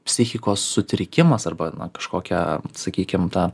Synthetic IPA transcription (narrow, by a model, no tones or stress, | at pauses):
pʲsʲɪxʲɪkoːsːʊt̪ʲɾʲɪkʲɪmɐsɐrbɐnɐ̰kɐʃkoːkʲɛ̰sɐkʲiːkʲɪmt̪ɑː